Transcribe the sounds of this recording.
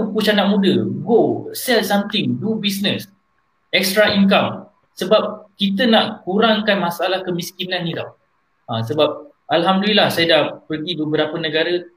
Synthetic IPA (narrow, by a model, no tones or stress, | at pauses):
put͡ʃanaʔmũdəɡosɛlsamt̪ɪŋdubisnəs | ɛk̚stɾainkam | səbap̚kit̪ənaʔkuɾaŋkanmasalahkəmiskinãnːila̰w | ãsəbap̚ | ʔalɦamdəlilahsajadahpərɡibəbəɾapənə̃ɡaɾə